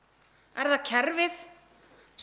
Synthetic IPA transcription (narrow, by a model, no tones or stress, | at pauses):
ɛɾðacʰɛɾvɪð̥ | s